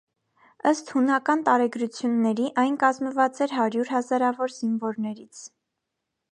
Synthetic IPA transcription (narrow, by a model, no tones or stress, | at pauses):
əst̪hunɑkɑnt̪ɑɾɛɡɾut͡sʰjunːɛɾiʔɑjnkɑzməvɑt͡sɛɾɦɑɾjuɾɦɑzɑɾɑvɔɾz̥iɱvɔɾnɛɾit͡sʰ